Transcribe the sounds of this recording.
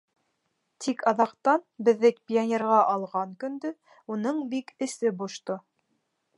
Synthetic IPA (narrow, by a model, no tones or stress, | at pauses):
t̪ʰikɑðɑqt̪ɑnbɘ̆ðːɘkpʲianʲeɾʁɑʔɑlˠʁɑŋkɵ̆nd̪ɵ | unɤɴbikɘ̆sɘbuʃt̪o